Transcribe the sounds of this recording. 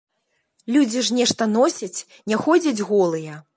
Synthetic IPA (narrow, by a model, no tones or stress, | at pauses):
lʲud͡zʲiʂnʲɛʂt̪ɐnɔsʲɐt͡sʲ | nʲɛxɔd͡zʲɐd͡zʲɣɔlˠɨjɛ